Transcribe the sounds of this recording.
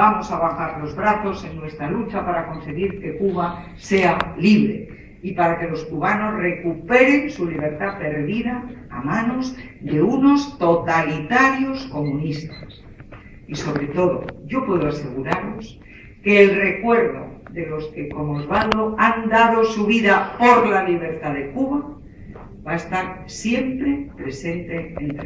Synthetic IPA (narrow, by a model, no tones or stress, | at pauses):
bamo̞saβ̞axaɾlo̞zβɾaθo̞se̞nːwe̞st̪ɾalut͡ʃapaɾako̞nse̞ɣiɾke̞kuβa | se̞aliβ̞ɾe̞̰ | ipaɾake̞lo̞skuβano̞zre̞kupe̞ɾe̞nsuliβ̞e̞ɾt̪ape̞ɾðiða̰ːmãno̞zd̪e̞uno̞st̪o̞t̪alit̪aɾjosko̞mũnist̪as | iso̞βɾe̞t̪o̞ðo̞̰ʝo̞pweðoase̞ɣuɾaɾlo̞s | ke̞ːlre̞kwe̞ɾðo̞̰ðe̞lo̞ske̞ko̞mozβald̪o̞and̪að̞o̞suβiðapo̞ɾlaliβ̞e̞ɾt̪aðe̞kuβa | βaest̪aɾ | sje̞mpɾe̞pɾe̞se̞nt̪eent̪